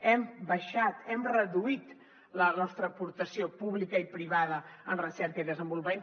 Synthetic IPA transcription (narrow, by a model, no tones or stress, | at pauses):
ɛmbəʃat̪ɛmrəðuit̪ | lənɔst̪ɾəːpuɾt̪əsiopuβlikəipɾiβaðəənrəsɛɾkəiðəzəmbulˠpen